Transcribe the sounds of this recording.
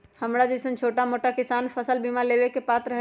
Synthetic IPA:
həmɾad͡ʒɛsənt͡ʃʰoːʈamoːʈakɪsaːnfʰəsəlbimaleːʋekepaːt̪ɾəɦ

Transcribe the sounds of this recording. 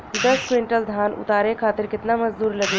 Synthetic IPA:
id̪əskɾiɳʈəld̪ʱanṵt̪aɾekʰat̪iɾkit̪naməd͡zd̪uːɾləɡe

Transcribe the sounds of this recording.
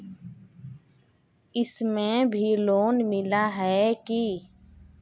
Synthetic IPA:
ɪsmẽbʱiloːnmɪlaɦɛki

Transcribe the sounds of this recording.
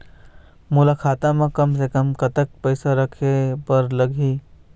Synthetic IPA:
mʊlakʰaːt̪ãmẽkəmsekəmkɐt̪ək̚pəɪsaɾəkʰepɐɾləɡʱi

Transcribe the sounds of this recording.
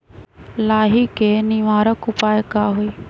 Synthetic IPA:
laːɦiːkeːniʋaːɾəkʊpaːjkaːɦoiː

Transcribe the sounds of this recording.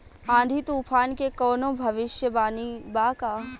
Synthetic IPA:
ãːd̪ʱit̪uːfʰaːnkekɔːnõːbʱɐʋɪʃjəbaːnibaːkaː

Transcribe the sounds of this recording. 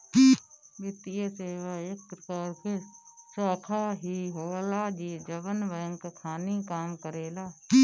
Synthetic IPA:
bɪt̪ijəseːʋaːekːɾəkaːɾkesaːkʰaːɦiːɦoːlaːd͡ʒiːd͡ʒəbənʋəjəŋkkʰaːnikaːmkəɾeːlaː

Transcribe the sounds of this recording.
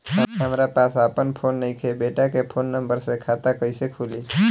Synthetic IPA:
əɦɐmɾapaːsaːpənpʰoːnːɐɦĩkʰebeːʈakepʰoːnːɐ̃mbəɾsekʰaːt̪akəĩsekʰuːliː

